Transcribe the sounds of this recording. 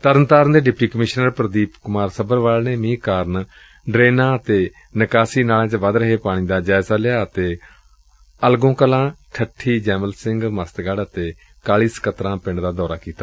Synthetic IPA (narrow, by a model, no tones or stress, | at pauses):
t̪əɾənt̪aːɾənd̪eːɖɪpʈiːkəmɪʃnəɾpɾəd̪iːpkʊmaːɾsəbəɾʋaːlneːmĩːkaːɾn | ɖɾeːnãːət̪eː | nəkaːsiːnaːlãːt͡ʃʋəd̪ɾəɦeːpaːɽ̃ĩːd̪aːd͡ʒaːzaːlɪjaːət̪eː | əlɡõːkəlãːʈʰəʈʰːiːd͡ʒɛːməlsɪŋɡməst̪ɡəɽət̪eː | kaːliːsə̥kət̪ɾãːpɪ̃ɳɖd̪aːd̪ɔːɾaːkiːt̪aː